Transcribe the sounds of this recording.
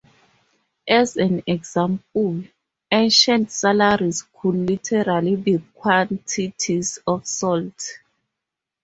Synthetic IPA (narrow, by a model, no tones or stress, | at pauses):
ʔɛzɛ̃nɛɡzãmpɔl | ẽnʃãntsalaɹiskʰudlitʰɛɹalibikʰwãntʰitʰizɔfsɔlt